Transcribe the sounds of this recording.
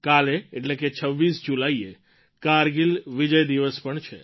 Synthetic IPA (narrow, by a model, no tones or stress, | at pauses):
kaleeʈleket͡ʃʰəʋːisd͡ʒulaie | kaɾɡilʋid͡ʒəjd̪iʋəspəɳt͡ʃʰḛ